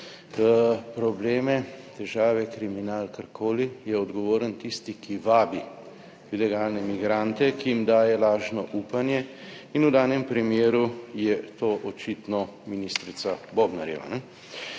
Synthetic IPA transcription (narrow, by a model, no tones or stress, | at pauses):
pɾɔbleːmɛt̪ɛʒaːʋɛkɾiminaːlkaɾkʰoːlijɛɔd̪ɡɔʋoːɾənt̪ist̪ikiʋaːbi | ilɛɡaːlnɛmiɡɾant̪ɛkijimd̪aːjɛlaːʒnɔʔuːpanjɛinud̪aːnjɛmpɾimjeːɾujɛt̪oːʔɔt͡ʃit̪nɔminist̪ɾit̪sabobnaɾjɛ̰ʋa̰nɛ